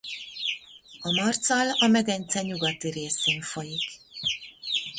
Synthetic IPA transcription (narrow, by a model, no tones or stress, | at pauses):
ɒmɒrt̪sɒlɒmɛɡɛnt̪sɛɲuɡɒt̪iɾeːseːɱfo̞jik